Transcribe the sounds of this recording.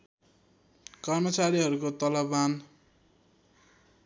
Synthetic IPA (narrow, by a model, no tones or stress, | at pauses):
kʌrmʌt͡saɾiɦʌɾukot̪ʌlʌban